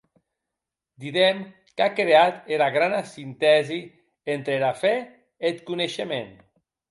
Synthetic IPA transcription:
d̪iðem | kakɾeat̪elaɣɾanasint̪ɛzi | ent̪ɾelafɛ | et̪kuneʃemen

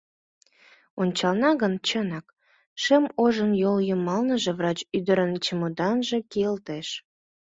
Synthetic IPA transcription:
onʲt͡ɕɑlnɑɣənt͡ɕənɑk | ʃemoʒənjoljomɑlnəʒĕvrɑt͡ɕyd̪əɾənt͡ɕəmod̪ɑnʒĕkeəlt̪eʃ

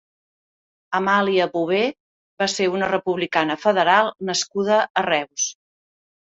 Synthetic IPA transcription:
əmaliəβuβe | βaseunərəpuβlikanəfəðəɾalˠnəskuð̞əʔərɛws

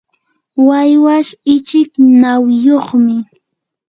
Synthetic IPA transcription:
wajwaʃɪt͡ʃɪknawjoχmɪ

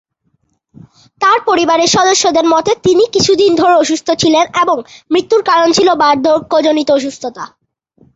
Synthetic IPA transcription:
t̪aɾpoɾibaɾeɾʃɔd̪oʃːod̪eɾmɔt̪et̪inikit͡ɕʰud̪ind̪ʱoɾeoʃust̪ʰot͡ɕʰileneboŋmɾit̪ːuɾkaɾont͡ɕʰilobaɾd̪ʱokod͡ʑonit̪ooʃ̬ust̪ʰot̪a

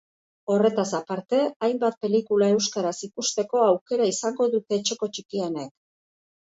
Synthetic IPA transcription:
o̞re̞t̪asapaɾt̪e̞ajmbat̪̚pe̞likulae̞wskaɾasikust̪e̞ko̞awke̞ɾaisaŋɡo̞ðut̪e̞ːt͡ʃe̞ko̞t͡ʃikianek

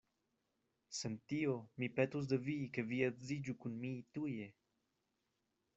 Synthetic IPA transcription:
sent̪iomipet̪us̬d̪evikeviedzid͡ʒukunmit̪uje

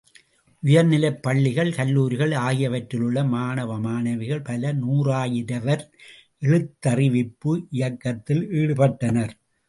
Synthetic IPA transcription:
ʔʊjɐɾnɪlɐɪpːɐɭːɪɣɐɭkɐlːuːɾɪɣɐɭaːɣɪjɐʋɐʈɾɪlɯɭːɐmaːnɐʋɐmaːnɐʋɪɣɐɭpɐlɐnuːraːjɪɾɐʋɐɾ | ʔɛɭɯt̪ːɐrɪʋɪpːɯʔɪjɐkːɐt̪ːɪliːɽɯpɐʈːɐnɐɾ

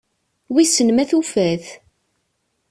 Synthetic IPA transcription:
wisənmæθufæθ

